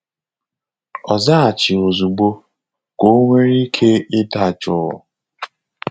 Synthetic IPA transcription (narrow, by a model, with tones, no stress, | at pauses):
ɔ˨za˦a˨t͡ʃɪ˨o˨zu˨ɡ͡bo˦ | ko˦ŋʷe˦ɾi˦kʰe˦ɪ˦da˦˨t͡ʃʊ˦˨ʊ̰˨